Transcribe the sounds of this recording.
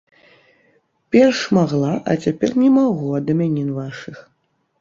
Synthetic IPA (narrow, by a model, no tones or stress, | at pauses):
pʲɛrʂmaɣlˠaʔɐ̰t͡sʲapʲɛrnʲɛmaɣuɐd̪ɐmʲanʲinvaʂɨx